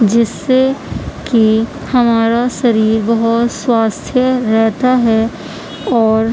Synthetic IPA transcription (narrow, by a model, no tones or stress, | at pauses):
d͡ʒɪsːeki | hɐmaːɾaʃɐɾiːɾbɐɦʊt̪swaːst̪ʰjəɾɛɦt̪aɦɛ | ɔːɾ